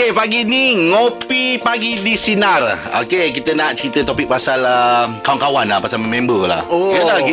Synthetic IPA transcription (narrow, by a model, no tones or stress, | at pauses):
epaɡiniŋopipaɡidisinara̰o̰kekit̪ənaʔt͡ʃəɾit̪ət̪opik̚pasaləkawankawanlahpasalmɛmɛ̃mbəla̰hojət̪ai